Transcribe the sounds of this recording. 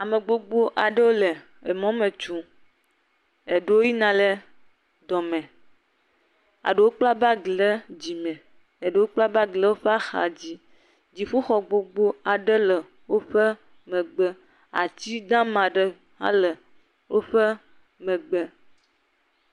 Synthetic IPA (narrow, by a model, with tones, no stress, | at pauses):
a˨me˨ɡ͡bo˦ɡ͡bo˦ʔa˨ɖə˦wo˦lɛ˨ | e˨mɔ̃˦mẽ˨t͡ʃu˨ | e˨ɖe˦wo˦ji˦nã˨le˦ | d̪ɔ˨mɛ̃˨ | a̰˨ɖə˨wo˦k͡pla˦ba˦ɡlə˦d͡ʑi˨mɛ̃˨ | e˨ɖe˨˦wo˦k͡pla˦ba˦ɡlə˦wo˦ɸɛ˦a˦xa̰˨d͡ʑi˦ | d͡ʑi˨ɸu˦xɔ˨ɡ͡bo˦ɡ͡bo˦a˨ɖə˦lə˨ | wo˦ɸə˦ | mɛ̃˨ɡ͡bə˦ | a̰˨t͡ɕi˦d̪ã˦mã˨ɖə˨ | a̰˦lə˨ | wo˦ɸə˦ | mɛ̃˨ɡ͡bə˦